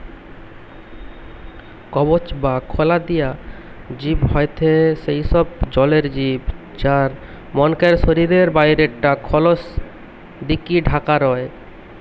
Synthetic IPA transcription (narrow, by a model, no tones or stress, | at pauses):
kɔbot͡ɕbakʰolad̪ija | d͡ʑibɦɔet̪ʰeʃejʃɔb̚d͡ʑɔleɾd͡ʑib | d͡ʑaɾ | mɔnkeɾʃoɾiɾeɾbajɾeʈːakʰɔlos | d̪ikiɖʱakaɾɔe